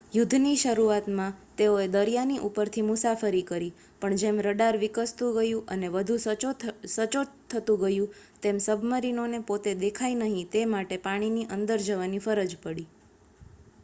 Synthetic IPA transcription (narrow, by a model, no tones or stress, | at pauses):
jʊd̪ʱniʃəɾuat̪mãt̪eoed̪əɾijaniʔupəɾt̪ʰimʊsafəɾikəɾi | pəɳd͡ʒemɾəɖaɾʋikəst̪ũɡəjũʔəneʋəd̪ʱũ | sət͡ʃot̪ʰːət̪ũɡəjũt̪emsəbʱməɾinonepot̪ed̪ekʰajnəɦĩt̪emaʈepaɽ̃iniʔənd̪əɾd͡ʒəʋanifəɾəd͡ʒpəɽi